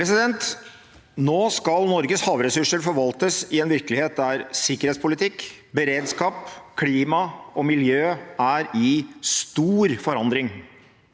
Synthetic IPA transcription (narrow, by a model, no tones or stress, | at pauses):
ɾɛsɪd̪ɛnt̪ | noːskɑlnɔɾɡəshɑːʋɾɛsʉʂəɾfɔɾʋɑlt̪əsɪɛnʋɪɾkəlɪheːt̪̚d̪æɾsɪkːəɾheːt̪spʰʊlɪt̪ʰɪkː | bəɾeːd̪skɑːpkʰliːmɑʔɔmɪljøːæɾɪst̪uːɾfɔɾɑnd̪ɾɪŋ